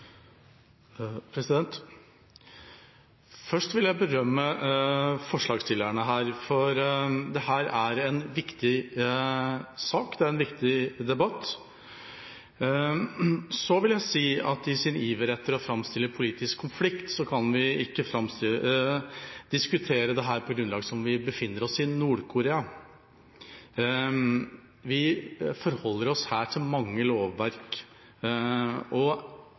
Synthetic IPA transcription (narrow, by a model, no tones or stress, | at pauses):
pʰɾɛsɪd̪ɛnt̪ | fœʂʈʋɪljæɪbəɾœmːə | fɔʂɭɑːɡst̪ʰɪlːəɳəɦæːɾfɔɾd̪ɛhæːɾæɾɛnʋɪkt̪ɪ | sɑːkd̪ɛæɾɛnʋɪkt̪ɪd̪ɛbɑt̪ː | sɔʋɪljæɪsiːɑt̪ɪsɪniːʋəɾɛt̪ːəɾɔfɾɑmst̪ɪlːəpʰʊliːt̪ɪskʰːʊnflɪkt̪sɔkʰɑnʋɪɪkːəfɾɑmst̪ɪl | d̪̥ɪskʉt̪ʰeːɾəd̪ɛɦæːɾpʰɔɡɾʉnlɑːɡəsɔmʋɪbəfɪnːəɾɔsɪnuːɖkʰʊɾeːɑ | ʋɪfɔɾhɔlːəɾɔshæːʈʰɪlmɑŋːəloːʋːæɾk | ɔ